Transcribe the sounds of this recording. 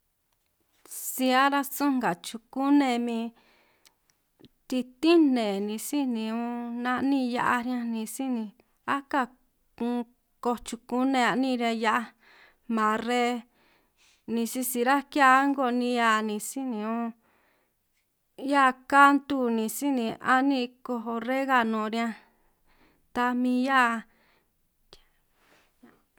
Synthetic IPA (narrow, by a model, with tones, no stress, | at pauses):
si˧a˦ɾa˦sũ˦ŋɡa˨t͡ʃu˧ku˦nẽ˧mĩ˧ | t̪i˧t̪i˦nẽ˨nĩ˧si˦nĩ˧ũ˦nã˧ʔnĩ˦˧ja˧ʔa˧ɾjã˧nĩ˧si˦nĩ˧ | a˦ka˦˧˨ | kũ˧ | ko˧t͡ʃu˧ku˦nẽ˧a˧nĩ˦˧ɾa˧ja˦ʔa˧ | mã˨˧ɾe˦ | nĩ˧si˧si˧ɾa˦ki˦a˦ŋɡo˧˨nĩ˧ja˧nĩ˧si˦nĩ˧ũ˦ | ja˦ʔka˦nt̪u˦nĩ˧˨si˦nĩ˧ʔa˦nĩ˦˧ko˧ɦo˧re˦ɣa˧nõ˨˧˨ɾi˧ã˧ | t̪a˧mĩ˧ja˦ʔ | a˦